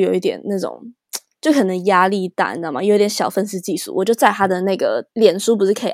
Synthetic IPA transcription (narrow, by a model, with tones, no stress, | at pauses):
jo˨˩ʊi˥˩t̪jɛ̰˨˩nna˥˩ʈ͡ʂʊ̰˨˩˦ŋ | t͡ɕjo˥˩ʊkʰə˨˩nə˧˥ŋja˥li˥˩t̪a̰˥˩n˥˩ma̰˨˩jo˨˧˥t̪jʲnɕjɑ˨˩ʊfə˥˧nsɹ̩˥˧t͡ɕi˥˧ʂṵ˥˩wɔ˨˩t͡ɕjo˥˧ʊt͡sa˥˩ɪt̪ʰa˥d̪ə˨na˥˩ɡə̰˩ljɛ˨˩nʂu˥p̬u˧˥ʂɻ̩˥˩kʰɤ˥ḭ˨˩